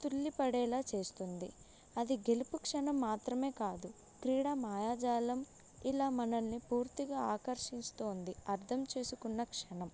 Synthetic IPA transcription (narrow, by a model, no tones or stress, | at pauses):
t̪ulːipɐɽɛːlaːt͡ʃe̞ːst̪und̪i | ɐd̪iɡe̞lupukʂɐnɐmːaːt̪ɾɐme̞ːkaːd̪u | kɾiːɽaːmaːjaːd͡ʒaːlɐm | ilaːmɐnɐnːipuːɾt̪iɡaːaːkɐɾʂiɲt͡ʃt̪uːnd̪iɐɾt̪ʰɐmt͡ʃe̞ːsukunːɐkʂɐnɐm